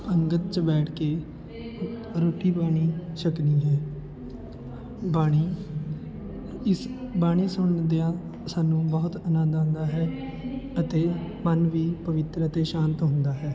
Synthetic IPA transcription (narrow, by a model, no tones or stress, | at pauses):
əŋɡət̪̚t͡ʃbɛːʈʰkeː | ɾoːʈiːbaːɽ̃iːʃəkniːɦɛː | baːɽ̃iː | ɪsbaːɽ̃iːsʊɳd̪eãː | saːnːũːbɔːʊt̪ənãːd̪ãːnd̪aːɦɛːət̪eːmənʋiːpəʋɪt̪ɾəət̪eːʃãːnt̪ɦʊ̃nd̪aːɦɛː